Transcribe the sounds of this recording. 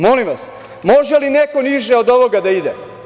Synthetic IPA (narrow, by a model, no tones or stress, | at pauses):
mo̞limʋas | mo̞ʒelineko̞niʒeod̪o̞ʋo̞ɡad̪aid̪e